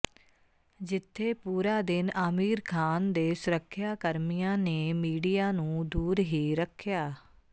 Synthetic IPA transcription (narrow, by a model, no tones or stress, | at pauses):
d͡ʒɪt̪ʰːeːpuːɾaːd̪ɪnaːmiːɾkʰaːnd̪eːsʊɾəkʰːjaːkəɾmijãːneːmiːɖijaːnũːd̪uːɾɦiːɾəkʰːɪjaː